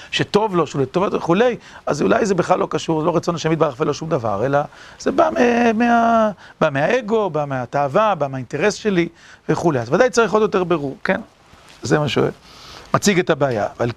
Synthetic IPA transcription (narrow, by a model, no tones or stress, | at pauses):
ʃet̪o̞vlo̞ʃulet̪ovotveχule̞jazulajzebeχlalːo̞kaʃuʁzelo̞ʁat͡sonaʃemid̪baʁaχvelo̞ʃumd̪ava̰ʁe̞laz̥ebamemeabameae̞ɡo̞bameat̪aːvabameaint̪e̞ʁe̞sʃe̞li | veχulejazvad̪ajt͡saʁiχo̞d̪jo̞t̪e̞ʁbeʁuʁken | zemaʃṵḛ | mat͡siɡet̪abeːja̰ːval